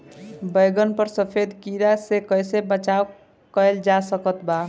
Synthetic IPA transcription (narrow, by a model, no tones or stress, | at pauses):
bəjɡənpəɾsəpʰed̪kiɾasekəjsebət͡ʃaw | kəjld͡ʒasəkət̪ba